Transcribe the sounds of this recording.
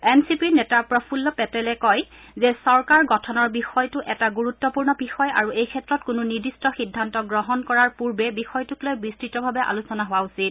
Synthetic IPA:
ɛnsipinɛtapɹɔpʰulːɔpɛtɛlɛkɔj | zɛsɔɹkaɹɡɔtʰɔnɔɹbixɔjtʊʔɛtaɡuɹutːɔpuɹnɔbixɔja̰ɹuejkʰɛtɹɔtkʊnunidistɔxidʱːantɔɡɹɔɦɔnkɔɹaɹpuɹbɛbixɔjtuklojbɹistɹitɔbʱabɛʔa̰lusɔnaɦʊwausit̚

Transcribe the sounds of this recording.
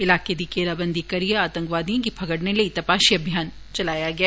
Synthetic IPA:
ɪlaːked̪ikeːɾabɐ̃nd̪ʱikɐɾijeaːt̪ɐ̃ŋkʋaːd̪ijõkipʰɐɡəɽnelɐit̪ɐpaːʃiɐbʱjaːn | t͡ʃɐlaːjaɡɐa

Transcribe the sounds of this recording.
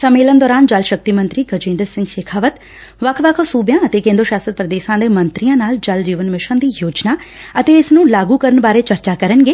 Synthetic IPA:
səmːeːlənd̪ɔːɾaːnd͡ʒəlʃək̚t̪iːmənt̪ɾiːɡəd͡ʒẽːnd̪əɾsɪ̃ŋɡʃeːkʰaːʋət̪ | ʋəkʰʋəkʰsuːbjãːət̪eːkẽːnd̪oʃaːsət̪̚pɾəd̪eːʃãːd̪eːmənt̪ɾijãːnaːld͡ʒəld͡ʒiːʋənmɪʃə̃ːd̪iːjoːd͡ʒnaːət̪eːɪsnũːlaːɡuːkəɾənbaːɾeːt͡ʃəɾt͡ʃaːkəɾənɡeː

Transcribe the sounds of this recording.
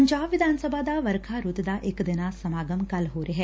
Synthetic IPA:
əɲd͡ʒaːbʋɪd̪ʱaːnsəbʱad̪aʋəɾkʰaɾut̪d̪aʔɪkd̪ɪnasɐmaːɡəmkɐlɦoːɾeɦɛː

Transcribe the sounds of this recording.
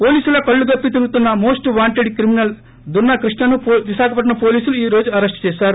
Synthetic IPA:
po̞ːliːsulɐkɐɭːuɡɐpːit̪̬iɾɡut̪unːɐmo̞ːsʈʋaːɳʈeɖikɾiminɐl | d̪unːɐkɾiʂɳɐnuʋiʃaːkɐpɐʈ̬ːɐnɐpo̞ːliːsuluiːɾo̞ːd͡ʒuɐɾɐsʈt͡ʃɛːʃaːɾu

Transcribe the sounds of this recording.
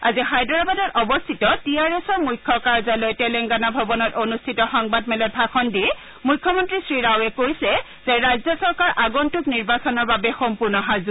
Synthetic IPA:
azixajdɔɹabadɔtʔɔbɔstʰitɔtijaɹɛsɔɹmujkʰːɔkaɹzalɔjtɛlɛŋɡanabʱɔbɔnɔtonustʰitɔxɔŋbadmɛlɔbʱakʰɔndi | mujkʰːɔmɔntɹisɹiɹawɛkojsɛ | z̥ɛɹajzɔsɔɹkaɹʔaɡɔntʊkniɹbasɔnɔɹbabɛxɔmpuɹnɔɦazʊ

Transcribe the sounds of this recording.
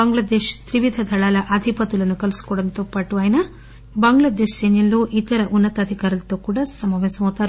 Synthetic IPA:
bɐŋɡlɐd̪eːʃt̪ɾiʋid̪ʱɐd̪ʱɐɭaːlɐʔɐd̪ʱipɐt̪ulɐnːukɐlsu̥kɔɽɐnt̪opːɐʈːuʋaːjnɐ | bɐŋɡlɭad̪eːʃsenɐlːuʔit̪ɐɾɐʔunːɐt̪ɐd̪ʱikaːɾɐlt̪ːoːkuːɽɐsɐmɐʋesɐmɐt̪aɾ

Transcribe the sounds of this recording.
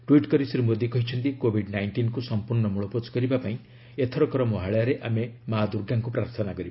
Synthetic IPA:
ʈwiʈkɔɾisiɾemod̪ikɔɦit͡ʃʰɔnt̪ikobʱiɖnajɳʈinkusɔmpuɾɳɔmuɭɔpot͡ʃkɔɾibapaĩ | et̪ʰɔɾɔkɔɾɔmoɦaɭɔjaɾeʔamemaɦad̪uɾɡaŋkupɾaɾt̪ʰɔnakɔɾib

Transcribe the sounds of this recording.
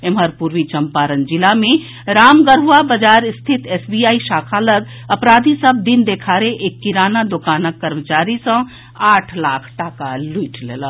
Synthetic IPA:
eməɾpuɾʋit͡ʃəmpaɾənd͡ʒilamẽ | ɾaːmɡəɾuʋabəd͡ʒaːɾst̪ʰit̪ʰesbijaːiʃaːkʰaləɡ̪ | əpɾaːd̪ʱisəb̚d̪ind̪ekʰaːɾeʔekːiɾaːnad̪okaːnəkːəɾmət͡ʃaːɾisə̃ | aːʈʰlaːkʰʈakaliːʈʰlḛːlə

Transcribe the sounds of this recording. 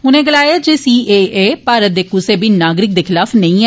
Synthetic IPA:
ʊnẽːɡəlaːjaːd͡ʒeːsiːeːʔeːpaːɾət̪̚d̪eːkʊseːbʱiːnaːɡɾɪk̚d̪eːkʰɪlaːfʰnəĩːɛ

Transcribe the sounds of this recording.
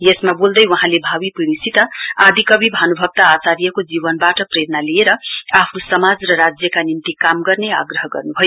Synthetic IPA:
jesmabold̪ʌjwʌɦãlebʱawipiɽisʰit̪ʌad̪ikʌbibʱanubʱʌb̚t̪aːt͡saɾijʌkod͡zibʌnbaʈʌpreɾʌnalieɾʌapʰnosʌmad͡zrʌɾad͡zjʌkanint̪ikamɡʌrnea̰ɡɾʌɦʌɡʌ̰rnubʱʌjo

